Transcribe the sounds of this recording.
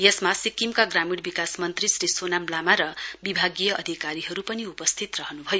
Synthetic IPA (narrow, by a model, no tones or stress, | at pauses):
jʌsmasikimkaɡramiɽbikasmʌnt̪risɾisonamlamaɾʌbibʱaɡijʌʔʌd̪ʱikaɾiɦʌɾupʌniupʌst̪ʰit̪rʌɦʌnubʱʌjo